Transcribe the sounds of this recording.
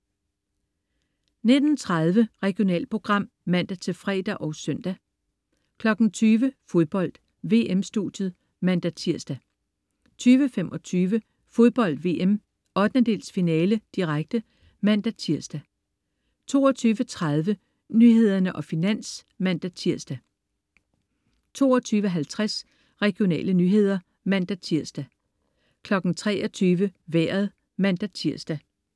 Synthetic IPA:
ned̥n̩t͡sʰʁað̞ˠʋəʁɛɡ̥ijo̝nɛ̰ːl̚pʰo̝ɡ̥ʁɑ̈m̰ | mæn̰d̥æt͡sʰe̝fʁɛ̰ːd̥æʔɒ̽ʊsœn̰d̥æ | kʰlɒ̽ɡ̥n̩t͡sʰyːʋəfo̝ðˠb̥ɒ̽l̰d̥ | ʋe̝ːʔemsd̥ṵd̥jəð̩ˠ | mæn̰d̥æt͡sʰiɐ̰sd̥æ | t͡sʰyːʋəfemɒ̽t͡sʰyːʋə | fo̝ðˠb̥ɒ̽l̰d̥ʋe̝ːʔem | ɒ̽d̥nəd̥e̝̰ːlsfinɛːləd̥iʁaɡ̥̚d̥ə | mæn̰d̥æt͡sʰiɐ̰sd̥æ | t͡sʰo̝̰ːɒt͡sʰyːʋət͡sʰʁað̞ˠʋə | nyɦe̝ð̞̰ˠɐnəʔɒ̽finæn̰s | mæn̰d̥æt͡sʰiɐ̰sd̥æ | t͡sʰo̝̰ːɒt͡sʰyːʋəɦælt͡sʰʁas | ʁɛɡ̥jo̝nɛ̰ːlənyːɦe̝ð̞ˠɐ | mæn̰d̥æt͡sʰiɐ̰sd̥æ | kʰlɒ̽ɡ̥n̩t͡sʰʁɛːʔɒt͡sʰyːʋəʋeɐ̰ð̩ˠ | mæn̰d̥æt͡sʰiɐ̰sd̥æ

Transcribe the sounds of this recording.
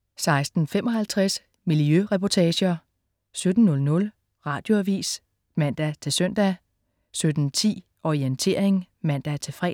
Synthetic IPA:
sɑ̈ɪsd̥n̩fem̰ɒ̽ɦælt͡sʰʁɛs | milijøʁɛpʰɒt͡sʰɛːɕɐ | sød̥n̩ːɔ̽lnɔ̽l | ʁɑ̈ːd̥jo̝æʋḭːs | mæn̰d̥æt͡sʰe̝lsœn̰d̥æ | sød̥n̩t͡sʰḭː | ʔɒient͡sʰe̝ɐ̰e̝ŋmæn̰d̥æt͡sʰe̝lfʁɛ̰ː

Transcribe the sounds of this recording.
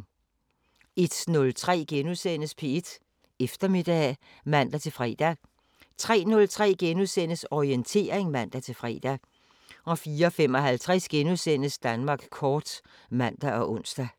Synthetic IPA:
e̝d̥nɔ̽lt͡sʰʁɛ̰ːɡ̥enusen̰əspʰe̝ed̥ | efd̥ɐme̝d̥ɛː | mæn̰d̥æt͡sʰe̝lfʁɛ̰ːd̥æ | t͡sʰʁɛ̰ːnɔ̽lt͡sʰʁɛ̰ːɡ̥enuðˠsen̰əsɒient͡sʰe̝̰ːɐ̰eŋmæn̰d̥æt͡sʰe̝fʁɛ̰ːd̥æ | ɒ̽fiːɐɒfem̰ɒ̽ɦælt͡sʰʁɛsɡ̥enuðˠsen̰əsd̥ænmɑ̈ːɡ̥kʰɒːd̥ | mæn̰d̥æʔɒ̽ʔɔ̽n̰sd̥æ

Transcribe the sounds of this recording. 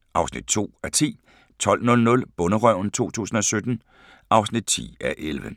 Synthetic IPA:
ʔɑ̈ʊsnḭd̥̚t͡sʰo̝̰ːæt͡sʰḭː | t͡sʰɒ̽l̰nɔ̽lnɔ̽lb̥ɔ̽nəʁœʊ̰nt͡sʰo̝̰ːt͡sʰṵːsn̩ɒ̽sød̥n̩ | ʔɑ̈ʊsnid̥̚t͡sʰḭːæʔelʋə

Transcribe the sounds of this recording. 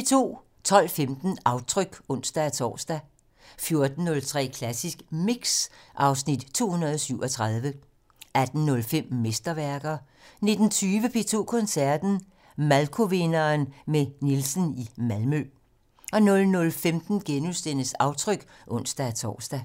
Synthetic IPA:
pʰet͡sʰo̝̰ː | t͡sʰɒ̽l̰femd̥n̩ɑ̈ʊt͡sʰʁœɡ̥ɔ̽n̰sd̥æt͡sʰɒ̰ːsd̥æ | fjo̝ɐd̥n̩ːɔ̽lt͡sʰʁɛ̰ːkʰlæsisɡ̥miɡ̥sʔɑ̈ʊsnid̥t͡sʰo̝̰ːhunɐð̩ˠɒsyʊ̰ɒ̽t͡sʰʁɑð̞ˠʋə | æd̥n̩nɔ̽lfem̰mesd̥ɐʋæɐɡ̥ɐ | ne̝d̥n̩t͡sʰyːʋəpʰe̝t͡sʰo̝̰ːkʰɔ̽nsæɐd̥n̩ | mælkʰo̝ʋe̝nɐnmenilsən̩imælmø | ɒ̽nɔ̽lnɔ̽lfemd̥n̩ɡ̥enusd̥enəsɑ̈ʊt͡sʰʁœɡ̥ | ʔɔ̽n̰sd̥æt͡sʰɒ̰ːsd̥æ

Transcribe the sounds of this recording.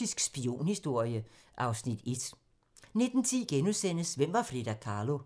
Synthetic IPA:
isɡ̥sb̥io̝̰ːnhisd̥o̝ɐ̰jə | ʔɑ̈ʊsnid̥e̝d̥ | ne̝d̥n̩t͡sʰiɡ̥enusen̰əsʋem̰ʋɑ̈fʁid̥ækʰɑ̈ːlo̝

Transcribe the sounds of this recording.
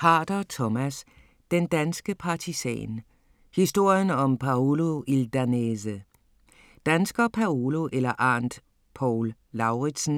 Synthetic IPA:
hɑ̈d̥ɐt͡sʰɔmæs | d̥end̥ænsɡ̥əpʰɑ̈t͡sʰisɛ̰ːn | hisd̥o̝ɐ̰jənɒ̽mpʰɑolo̝ild̥ænesə | d̥ænsɡ̥ɐpʰæolo̝ʔelɐʔɑnd̥ | pʰɒːlː | ɑ̈ʊʁid̥sn̩

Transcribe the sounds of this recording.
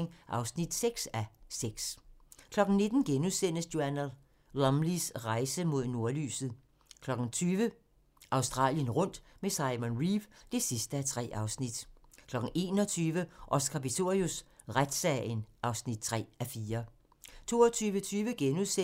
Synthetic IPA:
ŋʔɑ̈ʊsnid̥seɡ̥sæseɡ̥skʰlɒ̽ɡ̥n̩ne̝d̥n̩ɡ̥enusen̰əsjo̝ænl | lɑmlisʁɑ̈ɪsəmo̝ð̞̰ˠno̝ɐly̰ːsð̩ˠ | kʰlɒ̽ɡ̥n̩t͡sʰyːʋə | ʔɑ̈ʊsd̥ʁɑ̰̈ːljənʁɔ̽n̰d̥mesɑ̈ɪmɔnʁibd̥e̝sisd̥əæt͡sʰʁɛ̰ːʔɑ̈ʊsnid̥ | kʰlɒ̽ɡ̥n̩e̝̰ːnɒt͡sʰyːʋəʔɒ̽sɡ̥ɐbit͡sʰo̝ʁius | ʁad̥sɛɪnʔɑ̈ʊsnid̥̚t͡sʰʁɛ̰ːæfiːɐ | t͡sʰo̝̰ːɒt͡sʰyːʋət͡sʰyːʋəɡ̥enuse

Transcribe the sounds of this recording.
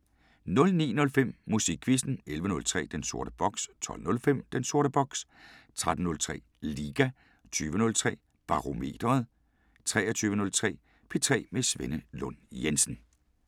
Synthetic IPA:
nɔ̽lnḭːnɔ̽lfem̰musiɡ̥ʰʋisd̥n̩elʋənɔ̽lt͡sʰʁɛ̰ːd̥enso̝ɐɾ̥əb̥ɒ̽ɡ̥st͡sʰɒ̽l̰nɔ̽lfem̰d̥enso̝ɐɾəb̥ɒ̽ɡ̥s | t͡sʰʁad̥n̩nɔ̽lt͡sʰʁɛ̰ː | liːɡ̥æ | t͡sʰyːʋənɔ̽lt͡sʰʁɛ̰ː | b̥ɑ̈ʁo̝me̝̰ːd̥ʁɐð̞̩ˠ | t͡sʰʁɛːɐt͡sʰyːʋənɔ̽lt͡sʰʁɛ̰ː | pʰe̝t͡sʰʁɛ̰ːmesʋenəlɔ̽njensn̩

